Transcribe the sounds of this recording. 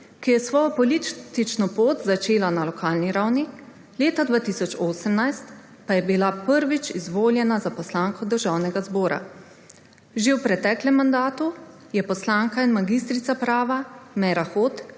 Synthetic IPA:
kijɛsʋɔːjɔpɔlit̪t̪it͡ʃnɔpoːt̪zat͡ʃeːlanalɔkʰaːlniɾawni | leːt̪ad̪ʋaːt̪isɔt͡ʃoːsəmnajst̪ | pajɛbilapəɾʋit͡ʃizʋoːljɛnazapɔslaːŋkʰɔd̪əɾʒaːwnɛɡazbɔːɾa̰ | ʒewpɾɛt̪ɛːklɛmːand̪aːt̪u | jɛpɔslaːŋkainmaɡist̪ɾit̪sapɾaːʋamɛɾaxoːt̪

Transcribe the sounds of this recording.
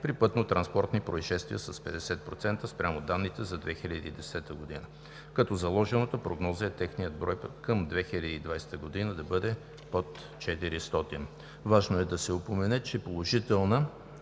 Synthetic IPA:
pɾipɤt̪not̪ɾɐnspɔɾt̪nipɾoiʃɛst̪vijəsɐspɛd̪ɛsɛt̪̚pɾot̪sɛnt̪əspɾʲamod̪anːit̪ɛzɐd̪vɛxilʲɐd̪iːd̪ɛsɛt̪əɡod̪inə | kɐt̪ɔzɐlˠɔʒɛnot̪əpɾoɡnɔzəɛt̪ɛxnijəd̪bɾɔjpkəmd̪vɛxilʲɐd̪iːd̪vajsɛ̥t̪əɡod̪inəd̪ɐbɤd̪ɛ | pot̪ | t͡ʃɛt̪iɾist̪ɔt̪in | vaʒnoɛd̪ɐsɛopomɛnɛt͡ʃɛpolˠoʒit̪ɛlˠnə

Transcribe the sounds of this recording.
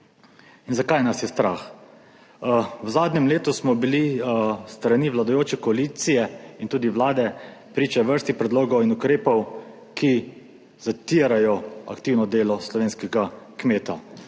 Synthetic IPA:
inzakajnasjɛst̪ɾaːx | wzaːd̪nɛmleːt̪usmɔbilist̪ɾaniʋlad̪ajoːt͡ʃɛkɔaliːt̪sijɛint̪uːd̪iʋlaːd̪ɛpɾiːt͡ʃɛʋəɾst̪ixpɾɛd̪loːɡɔwinukɾeːpɔw | ki | zat̪iɾajɔa̰kt̪iːwnɔd̪eːlɔslɔʋeːnskɛɡakmeːt̪a

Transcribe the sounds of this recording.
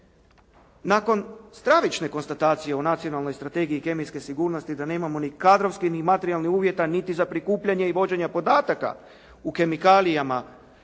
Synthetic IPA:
nako̞nst̪ɾaʋit͡ʃne̞ko̞nst̪at̪aːt̪sije̞onat̪sio̞nalˠno̞jst̪ɾat̪e̞ːɡiike̞mijske̞siɡuːɾno̞st̪id̪ane̞ːmamo̞nikad̪ɾoʋskinimat̪eɾialnixuːʋje̞t̪anit̪izapɾikuːpʎaɲeiʋo̞d͡ʑe̞ɲapo̞d̪aːt̪aka̰ | uke̞mikaːlijama

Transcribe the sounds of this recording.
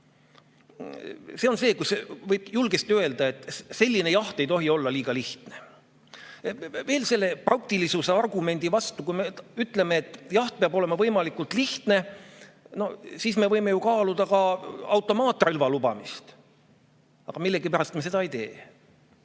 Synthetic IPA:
se̞o̞nse̞ːkusevɤjb̥julɡ̥est̪iøe̞ld̪ɑe̞t̪ːˑse̞lʲːine̞jɑht̪e̞jt̪o̞ɦio̞lːɑliːɡ̥ɑliht̪ne | ve̞ːlse̞lːe̞prʔɑk̚t̪ilisuseɑrɡ̥ume̞nd̪̥ivɑst̪ukujmeyt̪ːˑle̞meːt̪ːˑjɑht̪̚peɑbo̞le̞mɑvɤjmɑlikːˑult̪ˑliht̪ne̞ | no̞siːsme̞vɤjme̞jukɑːlud̪̥ɑkɑɑwt̪ːˑo̞mɑːt̪ːˑrilvɑlubɑ̰mist̪ | ɑɡ̥ɑmilːe̞ɡipæɾɑst̪mese̞d̪ɑejt̪e̞̰ː

